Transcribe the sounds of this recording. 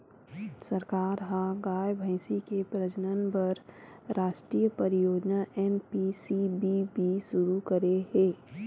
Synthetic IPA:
sɐɾkaːɾɦãɡaːjbʱə̃ɪsikepɾəd͡ʒənənbɐɾ | ɾaːʃʈɾiːjpɐɾɪjoːd͡ʒnaʔɛːnpisibʱibʱiʃʊɾukɐɾeɦẽː

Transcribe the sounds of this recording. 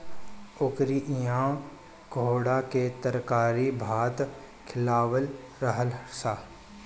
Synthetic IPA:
ʊkɾiʔijaːm | ɡʱoːɽaket̪əɾkaːɾibʱaːt̪ | kʰɪlaːʋəl | ɾəɦəlɾsaː

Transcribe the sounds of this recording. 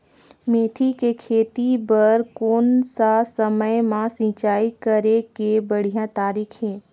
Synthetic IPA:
meːt̪ʰikekʰeːt̪ibəɾkoːnsasəməjmãsĩːt͡ʃaːikəɾekebəɽ̤ijãt̪aːɾiːkʰɦɛ̃ː

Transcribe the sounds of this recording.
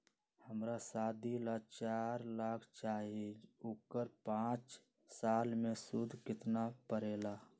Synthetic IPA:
həmɾasaːd̪ʱilat͡ʃaːɾlaːkʰt͡ʃaːɦid͡ʒoːkəɾpãːt͡ʃ | saːlmẽsʊd̪ʱkɪt̪napəɾeːla

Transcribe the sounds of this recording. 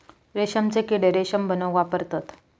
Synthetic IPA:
ɾeɕəmt͡sekiɽeɾeɕəmbʱənəʋapəɾt̪at̪

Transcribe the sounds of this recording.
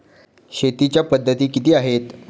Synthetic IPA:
ɕet̪it͡ɕjapəd̪ʱːət̪iːkit̪iːaɦet̪

